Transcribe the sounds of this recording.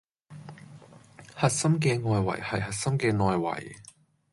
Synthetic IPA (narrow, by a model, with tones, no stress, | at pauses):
hɐ˨t̚sɐ˥mk̬ɛː˧ŋɔː˨jwɐ̰˨˩jhɐ˨jhɐ˨t̚sɐ˥mkɛː˧ŋɔː˨jwɐ̰˨˩j